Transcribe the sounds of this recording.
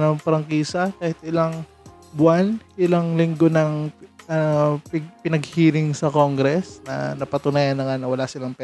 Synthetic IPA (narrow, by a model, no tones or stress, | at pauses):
nɐŋpɾɐŋkiːsɐkaːhɪt̪̚ʔɪlaŋ | bʊanʔɪlaŋlɪŋɡonɐŋɐppɪnɐɡ̚hiːɾɪŋsɐkoŋɡɾɛsnɐ̰nɐpɐt̪ʊnaːjanːɐŋanɐwɐlasɪlaŋpɛ